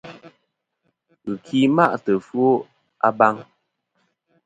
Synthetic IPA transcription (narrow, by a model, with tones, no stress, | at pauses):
ɣɨ˨kʰi˦ma˦ʔtə˨fɰo˦ | a˦ba˦ŋ